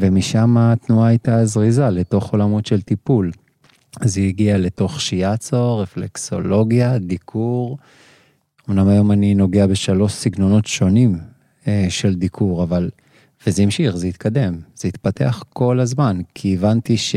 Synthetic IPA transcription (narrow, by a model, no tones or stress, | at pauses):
vemiʃamat̪nuaajtazʁizale̞to̞χo̞lamo̞tʃe̞lt̪ipul | zeiɡiale̞to̞χʃiat͡soʁeflekso̞lo̞ɡjad̪ikʰuʁ | omnamajo̞manino̞ɡeabe̞ʃalo̞ʃsiɡno̞no̞tʃo̞nim | eʃe̞ld̪ikʰuʁaval | vezeimʃiχzeit̪kʰad̪e̞mz̥eit̪pate̞̰aχko̞lazmankʰiːvant̪iʃ